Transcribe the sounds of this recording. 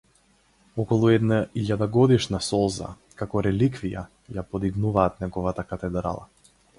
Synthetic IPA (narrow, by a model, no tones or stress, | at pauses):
ɔkɔlˠuɛd̪naiʎad̪aɡɔd̪iʃnasɔlˠza̰ | kakɔɾɛlikvija̰ | japɔd̪iɡnuvaːt̪nɛɡɔvat̪akat̪ɛd̪ɾa̰lˠa̰